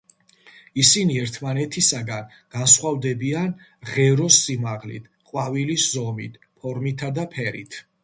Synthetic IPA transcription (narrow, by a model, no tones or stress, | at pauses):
isiniɛɾt̪ʰmanɛt̪ʰisaɡan | ɡ̥ansχwavd̪ɛbian | ʁɛɾɔsːimaʁlḭt̪ʰqʼwaviliszɔmit̪ʰ | pʰɔɾmit̪ʰad̪apʰɛɾḭt̪ʰ